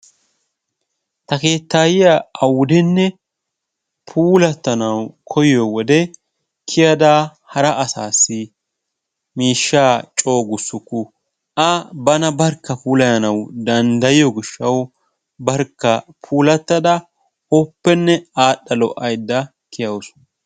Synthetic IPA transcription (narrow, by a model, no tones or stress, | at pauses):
t̪ɐke̞ːt̪ːaːjɪjaɐwʊd̪ɛnːɛ | pʰuːlɐt̪ːɐnɐwkʰɔjɪjɔwɔd̪ɛ | kʰɪjɐd̪aːhɐɾɐʔɐsaːsːɪ | miːʃːaːt͡ʃʼo̞ːɡʊsːʊkːʊ | ʔɐbɐnɐbɐɾkːɐpuːlɐjɐnɐwd̪ɐnd̪ɐjɪjɔɡɪʃːɐw | bɐɾkːɐpʰuːlɐt̪ːɐd̪ɐ | ɔpːɛnːɛaːɗːɐlɔ̰ʔɐjd̪ːɐ | kʰɪjɐwsʊ̥